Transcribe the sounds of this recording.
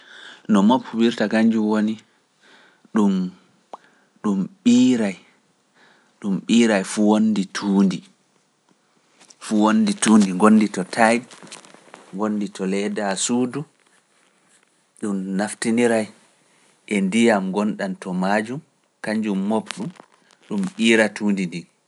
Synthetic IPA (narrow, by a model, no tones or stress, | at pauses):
nɔmopwiɾtakaɲd͡ʒumwoni | ɗum | ɗumɓiːɾaj | ɗumɓiːɾajfuwonːditʰuːndi | fuwonːdituːndiŋɡonːditɔtʰaj | ŋɡonːditʰɔlɛdasuːdu | ɗumnaftiniɾaj | ʔɛndijamɡɔnɗantɔmad͡ʒum | kaɲd͡ʒumːobɗum | ɗumɓiːɾatuːndindi